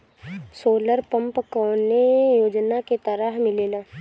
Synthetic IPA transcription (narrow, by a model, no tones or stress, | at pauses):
soːləɾpə̃mpkɔːnejoːd͡ʒnaket̪əɾəɦmɪleːlaː